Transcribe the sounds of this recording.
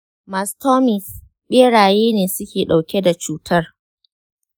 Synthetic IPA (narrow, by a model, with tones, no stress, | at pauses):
ma˨stʰɔ˦mɪ˨s | ɓeː˦ɽaː˨jeː˦neː˨sʊ˦kʲeː˨ɗa˨wkʲe˦da˨t͡ʃuː˦tʰɐ˦r